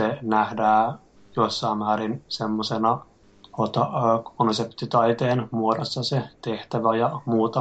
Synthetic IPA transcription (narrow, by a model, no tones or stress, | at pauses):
senæhdæː | joisːɑːmːmæːɾinsemːosenɑ | hot̪ɑkʰonsept̪it̪ɑit̪eːnmuodosːɑset̪eht̪æʋæjɑmuːt̪ɑ